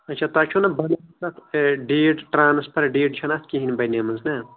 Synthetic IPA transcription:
ɐt͡ʃʰat̪at͡ʃʰonɐbɐlɐɐsɐt̪ɖeːɖʈɾaːnɐspɐɾɖeːɖt͡ʃʰɐnat̪̚ʰkʲiɦinbɐjneːmɐnznɐ

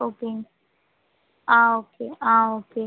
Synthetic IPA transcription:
okeŋ | aokʰeaoke

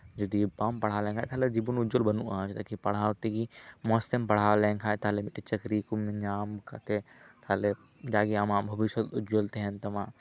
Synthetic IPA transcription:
d͡ʒɐd̪ipaːmpɐɽ̤aːlẽŋkʰaːt̪ʰaːled͡ʒibunʊd͡ʒolbɐnuʔãːt͡ʃʰt̪ɐkipɐɽ̤aːwt̪iɡimɔːslimpɐɽ̤aːwlẽːŋkʰaːt̪ʰalemiʈit͡ʃɐkɾikumeɲaːmkɐt̪ʰet̪ʰale | d͡ʒaːɡiamãːbʱɐʋiʃɐt̪ʊd͡ʒolt̪eɦnt̪ɐmãː

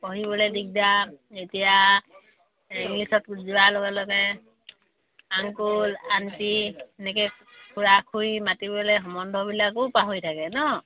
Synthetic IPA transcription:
pɔɦibɔlɛdik̚daetija | iŋlisɔtziwalɔɡɛlɔɡɛ | aŋkulantiɛnɛkɛ | kʰuɹakʰujmatibɔlɛɦɔmɔndʱɔbilakopaɦojtʰakɛnɔ

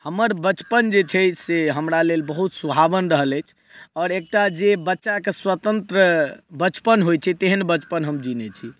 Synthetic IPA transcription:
həmːəɾbət͡ʃpənd͡ʒet͡ʃʰɛseɦəmɾalelbəɦut̪subʱabənɾəɦələjt͡ʃʰ | ɔːɾek̚ʈad͡ʒebətːʃakeswət̪ə̃nt̪ɾəbət͡ʃpənɦojt͡ʃʰɛt̪eɦənbət͡ʃpənɦəmd͡ʒinɛt͡ʃʰi

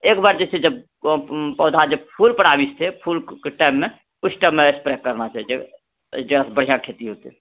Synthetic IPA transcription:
eːkbaɾd͡ʒɛt͡ʃʰed͡ʒəb | pɔːd̪ʱad͡ʒəb̚pʰuːlpəɽ̤abist̪ʰepʰuːlkeʈaɪmːẽ | ʊsʈəmeespɾɛkəɾnat͡ʃaɦid͡ʒe | d͡ʒeɾasbəɽ̤ijãkʰet̪iɦot̪e

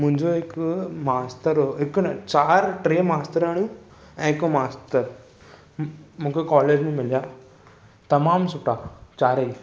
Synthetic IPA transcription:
mʊ̃ɦɪ̃ɲd͡ʑoɦɪkʊmaːst̪əɾooɦɪknt͡ɕaːɾʈɾeːmaːst̪əɾaːɳjũ | ɛ̃ːɦɪkomaːst̪əɾ | mũːkʰekɔːleːd͡ʑmẽmɪlijaː | t̪ɐmaːmsʊʈat͡ɕaːɾəi

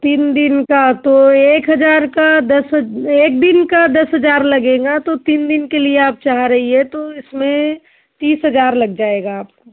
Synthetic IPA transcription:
t̪iːnd̪ɪnkat̪oeːkɦɐd͡ʒaːɾkad̪ɐsɦeːk̚d̪ɪnkad̪ɐsɦɐd͡ʒaːɾlɐɡẽːɡat̪ot̪iːnd̪ɪnkelieaːp̚t͡ʃaːɦɾɐɦiɦɛ̃t̪oɪsmẽ | t̪iːsɦɐd͡ʒaːɾlɐɡ̚d͡ʒaːeɡaːp̚ko

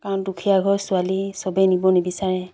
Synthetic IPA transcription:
kaɹɔndukʰijaɡʱɔɹsʊalisɔbɛnibɔnebisaɹɛ

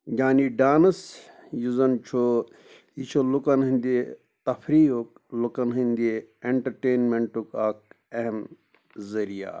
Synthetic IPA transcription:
ɡaːniɖaːnɐs | juzɐnt͡ʃʰo | it͡ʃʰolukɐnɦind̪i | t̪ɐfʰɾiːok̚ | lukɐnɦind̪eeɳʈɐɾʈeːnmeɳʈukaːk̚ | eɦem | zɐɾija̰ː

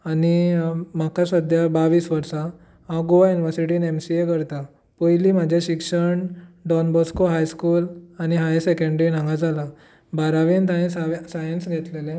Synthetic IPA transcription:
animakasəd̪ʱjabaʋiːsʋəɾsa | ɦãɡoʋajuniʋəɾsiʈiːnemsiekəɾt̪a | pəjliːm̤ad͡ʑʱaɕikʂəɳɖɔnbɔskoɦajskuːlaniɦajesekẽɳɖɾinãŋɡad͡zʱala | baɾaʋint̪aɦẽsasajənsɡʱet̪lelẽ

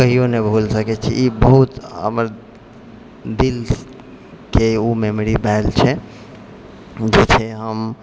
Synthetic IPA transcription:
kəɦijonebʱulsəkɛt͡ʃʰḭibəɦut̪ɦə̰məɾ | d̪il | keumemɾibʱɛlt͡ʃʰɛ | d͡ʒet͡ʃʰeɦəm

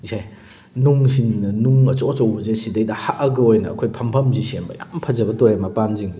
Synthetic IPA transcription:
zej | nuŋsiŋnɐnuŋɐt͡ʃot͡ʃɐwbɐzesidɐjdɐhaʔɐɡɐojnɐːkʰojpʰɐmpʰɐmzisembɐ̰jampʰɐzɐbɐtɔɾemɐpanziŋ

